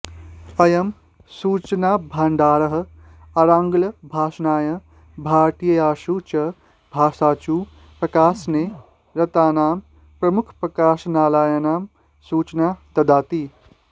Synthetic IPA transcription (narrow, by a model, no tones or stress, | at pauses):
ɐjɐm | suːt͡ʃnaːbʱaːɳɖaːɾɐɦɐ̆ | ɐɾaːŋɡlɐbʱaːʃnaːjɐ | bʱaːʈijɐjaːʃuːt͡ʃɐ | bʱaːsaːt͡ʃuː | pɾɐkaːsne | ɾɐt̪aːnaːm | pɾɐmukʰpɾɐkaːʃnaːlaːjɐnaːm | suːt͡ʃnaːt̪ɐd̪aːt̪iː